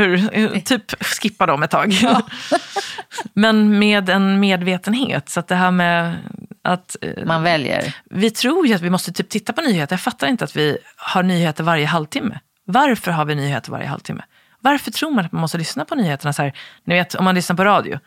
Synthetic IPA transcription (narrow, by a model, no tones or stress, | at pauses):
hʉːɾt̪ʰyːpskɪpːad̪ɔmɛt̪ʰːɑ̰ːɡ | mɛnmeːd̪ɛnmeːd̪veːt̪ənɦḛːt̪sat̪̚d̪ɛɦæːmɛ | a̰t̪manvɛljə̰vɪt̪ʰɾuːɾjɵat̪vɪmɔst̪ət̪ʰyːp̚t̪ɪt̪ːapʰɔnyːheːt̪əɳjɑfat̪ːaɾɪnt̪əat̪vɪhaɳyːheːt̪əɾvaɾjəɦalvt̪ʰɪmːə̰ | vaɾfœɾɦaɾvɪnyːhḛːt̪əɾv̰ɾjə̰a̰lvt̪ɪ̰mːə̰ | vaɾfœʈʰɾuːɾmanat̪manmɔst̪əlʏsnapʰɔnyːheːt̪əɳasæːɾnɪveːt̪ʰɔ̰mːanlʏsnaɾpɔɾɑːd̪ɪ̰ʊ̰